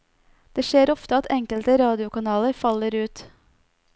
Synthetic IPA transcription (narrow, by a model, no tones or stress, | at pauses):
d̪̥eːʃeːɾɔft̪əɑt̪ʰɛŋkəlt̪əɾɑːd̪ɪʊkɑnɑːləɾfɑləɾʉːt̪